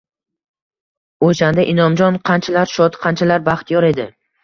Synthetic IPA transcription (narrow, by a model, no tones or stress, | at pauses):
oʃand̪aʔɪnɒmd͡ʒɒnqʰɑnt͡ʃʰalaɾʃɒt̪qʰant͡ʃʰalaɾbaχt̪ʰijɒɾe̞d̪ɪ